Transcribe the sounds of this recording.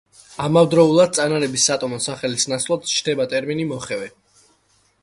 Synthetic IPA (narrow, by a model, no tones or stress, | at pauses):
amavd̪ɾɔulˠad̪̚t̪sʼanaɾɛbisːat̪ʼɔmɔsaχɛlisnat̪sʰvlˠad̪t͡ʃʰd̪ɛbat̪ʼɛɾminimɔχɛvɛ